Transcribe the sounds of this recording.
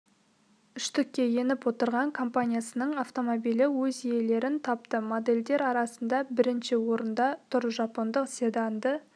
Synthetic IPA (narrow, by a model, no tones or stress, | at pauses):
ʏʃt̪ɪkʲːe̞je̞nɪpwo̞t̪əɾʁɑŋkʰo̞mpanʲijasənəɴɑft̪o̞mobijlɪwɵzije̞le̞ɾɪnt̪ʰɑp̚t̪əmo̞d̪e̞ld̪e̞ɾɑɾɑsənd̪ɑbɪɾɪnʃɪwo̞ɾənd̪ɑt̪ʰʊɾʒɑpo̞nd̪əqsed̪and̪ə